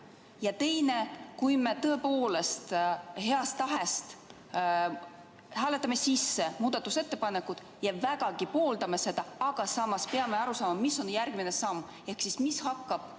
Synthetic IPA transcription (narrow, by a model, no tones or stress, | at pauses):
jɑt̪e̞jne̞kujme̞t̪ɤ̞epo̞ːle̞st̪he̞ɑst̪ɑɦe̞st̪ | hæːle̞t̪ːˑɑme̞sisːe̞muːd̪̥ɑt̪ːuse̞t̪ːˑe̞pɑne̞kːˑud̪̥ | jɑvæɡ̥ɑɡ̥ipo̞ːld̪ɑme̞se̞d̪̥ɑɑɡ̥ɑsɑmɑspe̞ɑme̞ɑɾusɑːmɑmisːo̞njærɡ̥minesɑmː | e̞hksismishɑkːɑb̥